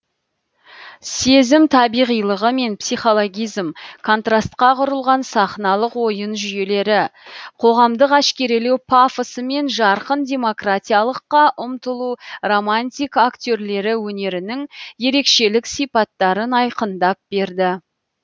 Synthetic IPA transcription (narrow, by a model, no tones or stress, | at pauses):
se̞zɪmt̪ʰɑbijʁijlˠəʁəme̞npsijχo̞lˠo̞ɡʲijzmkʰo̞nt̪rast̪qɑqʰʊɾəlˠʁɑnsɑχnɑlˠəqwo̞jənʒʏje̞le̞ɾɪqʰo̞ʁɑmd̪əqæʃkʲe̞ɾe̞lewpʰafəsəme̞nʒɑɾqənd̪ʲe̞mo̞krat̪ʲijalˠəqːɑʔʊmt̪əlˠuro̞manʲt̪ʲijkakt̪ʲø̞ɾle̞ɾɪwɵne̞ɾɪnɪŋje̞ɾe̞kʃe̞lɪksijpɑt̪ːɑɾənɑjqənd̪ɑp̚be̞ɾd̪ɪ